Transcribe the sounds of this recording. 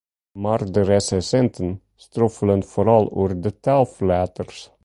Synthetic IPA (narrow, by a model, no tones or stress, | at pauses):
mɑɾd̪əɾɛsɛsɛnt̪ʰən | st̪ɾɔfələnfɔɾɑlʉɾd̪ɛt̪ʰɑlflæːt̪əɾs